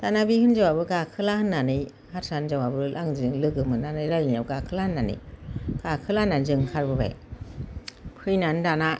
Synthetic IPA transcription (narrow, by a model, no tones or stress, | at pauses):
d̥anabihɯnd͡ʒawabɯɡakʰɯlahɯnːanɯj | hatsand͡ʒawabɯlʔaŋzɯŋlɯɡɯmɯnanɯjɾajnjawɡakʰɯlahɯnːanɯ̰jɡ̥akʰɯlananzɯŋkʰaɾbɯba̰j | pʰɯjnandana